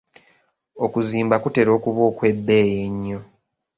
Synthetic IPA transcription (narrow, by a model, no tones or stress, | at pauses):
o̞kuziːmbakute̞ɾo̞ːkuβo̞ːkwe̞bːe̞ːjeɲːo̞